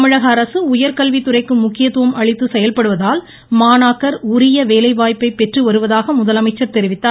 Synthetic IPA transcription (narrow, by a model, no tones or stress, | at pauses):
mɪɻɐɣɐːɾɐsɯʊjɐɾkɐlʋit̪ːɯrɐɪkːɯmʊkːɪjɐt̪ːɯʋɐmʔɐɻɪt̪ːɯsɛjɐlpɐɽɯʋɐðaːl | maːnaːkːɐɾʊɾɪjɐʋeːlɐɪʋaːjpːɐɪpːɛʈrɯʋɐɾɯʋɐðaːɣɐmʊðɐlɐmɐɪt͡ʃːɐɾt̪ɛɾɪʋɪt̪ːaː